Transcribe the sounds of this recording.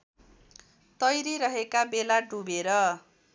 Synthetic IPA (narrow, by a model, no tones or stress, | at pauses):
t̪ʌjɾiɾʌɦekabelaɖubeɾʌ